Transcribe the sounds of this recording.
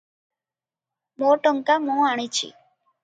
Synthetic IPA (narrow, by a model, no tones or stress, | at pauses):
moːʈəŋkamõːaːɽ̃iːt͡ʃʰḭː